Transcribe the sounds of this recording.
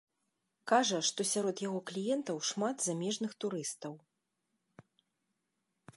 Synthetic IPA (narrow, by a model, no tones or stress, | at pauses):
kaʐɐʂt̪ɔsʲaɾɔd̪jaɣɔklʲijɛnt̪ɐwʂmat̪zamʲɛʐnɨxt̪uɾɨst̪ɐw